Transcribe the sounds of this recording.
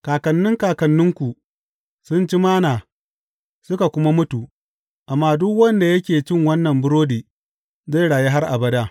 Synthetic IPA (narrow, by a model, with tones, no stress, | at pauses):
kaː˨kɐ˨nːɪ˦ŋkaː˨kɐ˨nːʊ˦ŋkʷu˨ | sʊ˦nt͡ʃi˦maː˦naː˨ | sʊ˦ka˨kʷʊ˦ma˦mʊ˦tu˨ | ʔa˨mːaː˦dʊ˦kwɐ˦nda˨jɐ˦kʲeː˨t͡ʃɪ˦ŋwɐ˦nːɐ˨mbʊ˦ɽoː˦diː˨ | za˦jɽaː˨je˦ɦa˦rʔa̰˨bɐ˦daː˦